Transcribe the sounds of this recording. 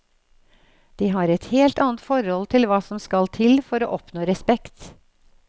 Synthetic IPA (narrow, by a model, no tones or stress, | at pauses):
d̪̥iːɦɑɾɛt̪heːlt̪ɑːnət̪fɔɾɔlt̪ʰɪlʋɑːsɔmskɑlt̪ʰɪlfɔɾo̰ːʔɔpnoːɾɛspɛkt̪